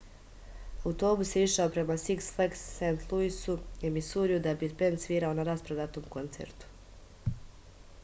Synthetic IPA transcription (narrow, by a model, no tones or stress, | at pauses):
aut̪o̞ːbusiʃaopɾe̞masiksfleksːent̪lˠuisuemisuːɾijud̪abit̪bend̪sʋiːɾaonaɾaspɾod̪at̪o̞ːmko̞nt̪sḛɾt̪u̥